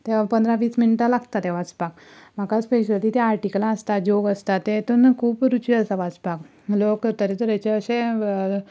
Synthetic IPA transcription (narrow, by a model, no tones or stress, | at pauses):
t̪epənd̪ʱɾaʋiːsminiʈalaɡt̪at̪ɛʋat͡spak | m̤akaspeɕət̪iːt̪eaɾʈikəlãəst̪ad͡ʑoɡəst̪at̪ːet̪unakʰuːpɾut͡ɕiəsaʋat͡spak | lokəɾt̪əɾit̪əɾet͡ɕeəɕẽ